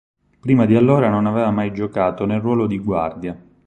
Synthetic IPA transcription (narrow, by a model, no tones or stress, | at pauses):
pɾiːmad̪ialːoːɾanonavɛːvamajd͡ʒokaːt̪onelrːwɔːlod̪iɡwa̰rd̪ja